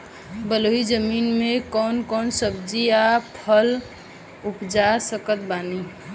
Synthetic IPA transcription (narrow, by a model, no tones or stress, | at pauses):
bəloɦid͡ʒəminmẽkɔːnkɔːnsəbd͡ʒiapʰəl | upd͡ʒasəkət̪̚bani